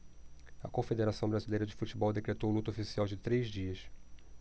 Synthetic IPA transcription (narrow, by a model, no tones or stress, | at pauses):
ɐkõfed̪eɾasɐ̃w̃bɾazilejɾɐd͡ʒɪfut͡ʃibɔwd̪ekɾet̪owlut̪ɐofisiawd͡ʒɪt̪ɾezd͡ʒiɐs